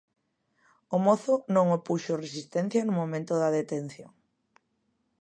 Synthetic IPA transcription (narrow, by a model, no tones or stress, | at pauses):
omoθʊnõŋopuʃoresist̪ɛn̟θjɐnumõmẽnt̪ʊðɐðet̪en̟θjoŋ